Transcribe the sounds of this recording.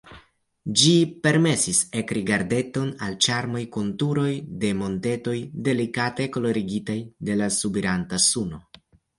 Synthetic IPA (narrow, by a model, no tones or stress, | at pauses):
d͡ʒipe̞ɾme̞sise̞kɾiɡaɾde̞to̞nalt͡ʃaɾmo̞jkontuɾo̞jde̞mo̞nte̞to̞jde̞likate̞ko̞lo̞ɾiɡitajde̞lasubiɾantasuno̞